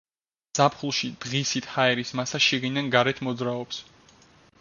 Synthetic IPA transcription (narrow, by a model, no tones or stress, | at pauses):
z̥apʰχulˠʃid̪̥ʁisit̪ʰhaɛɾismasaʃiɡinanɡaɾɛt̪ʰmɔd̪zɾaɔps